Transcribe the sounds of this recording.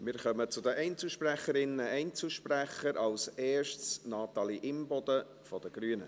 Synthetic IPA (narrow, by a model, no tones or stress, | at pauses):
mɪːɾχœmət͡sʊd̪əʔɛɪnt͡suʃpræχəɾɪnːəɛnt͡suʃpræχəɾʔɑlsɛːʃtsnɑːt̪ɑliʔɪmbɔd̪ə | fɔd̥̪əɡ̥ryənə